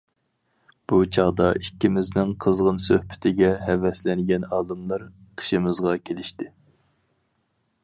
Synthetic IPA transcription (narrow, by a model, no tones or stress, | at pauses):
b̥ut͡ʃʰɑʁd̪ɑʔikʲːimɪznɪŋqʰəzʁənsøhpʰɪ̥t̪ʰɪɡʲɛɦɛvɛslɪnɡʲɛnɑːlˠɨmlˠɑɾqʰə̥ʃimɨzʁɑkʲʰelɪʃt̪ɪ